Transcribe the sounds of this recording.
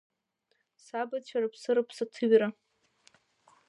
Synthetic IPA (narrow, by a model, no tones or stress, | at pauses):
sabat͡ʃʷʰarapʰsɨɾapʰsatʰɨɥʲra